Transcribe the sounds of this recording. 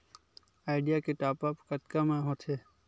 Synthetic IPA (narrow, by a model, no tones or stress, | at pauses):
aːɪɖijakeʈaːpəpkət̪kamãɦõːt̪ʰeː